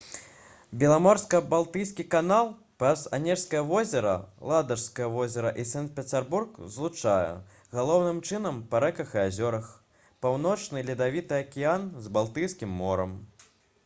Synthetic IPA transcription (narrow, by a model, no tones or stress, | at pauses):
bʲɛlˠamɔrskɐbalˠt̪ɨjskʲikanalˠ | pɾɐza̰nʲɛrskɐjɐvɔzʲɛɾɐ̰lˠad̪ɐrskɐjɐvɔzʲɛɾɐʔisant̪̚pʲɛt̪ʲɛrburkzlˠut͡ʂajɛ̰ | ɣalˠɔwnɨmt͡ʂɨn̪ɐmpɐɾɛkɐxɨazʲɔɾɐx | pawnɔt͡ʂnɨlʲid̪avʲit̪ɨɐkʲijanzbalˠt̪ɨjskʲimːɔɾɐm